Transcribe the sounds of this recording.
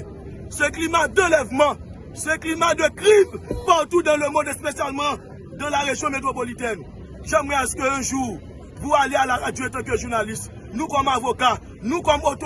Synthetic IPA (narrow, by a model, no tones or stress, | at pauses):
sɛklimad̪ãlɛvmɑ̃ | sɛ̃klimad̪əkʁivpaʁt̪ud̪ãləmɔ̃d̪espesjalmɑ̃ | d̪ãlaʁeʒjɔ̃met̪ʁop̬olit̪ɛn | ʒãmwɛ̃askəɛ̃ʒu | pualealaad͡ʒyɛ̃t̪ɛ̃k̬øʒuʁnalist | nũkɔmavoka | nũkɔmot̪o